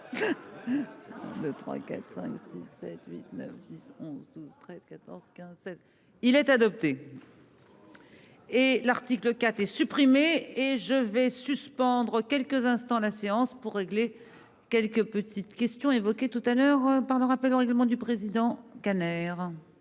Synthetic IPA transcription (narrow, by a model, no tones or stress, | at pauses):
d̪øt̪χwa̰ka̰t̪χsɛ̰̃ksisːɛ̰t̪ɥḭt̪nœ̰fd̪isɔ̃zd̪uz̥t̪χɛz̥kat̪ɔ̰ʁz̥kʲɛ̃zsɛt̪ | ilɛt̪ad̪ɔp̚t̪e | elaʁt̪ikləkat̪χɛsypχimeeʒəvɛsyspɑ̃d̪ʁəkʲɛlkəzɛ̃st̪ɑ̃laseɑ̃spuʁːeɡle | kʲɛlkəpət̪ʰit̪kʲɛst̪jɔ̃evɔkʲet̪ut̪alœʁpaʁləʁapɛloʁɛɡləmɑ̃d̪ypχezid̪ɑ̃kanɛʁ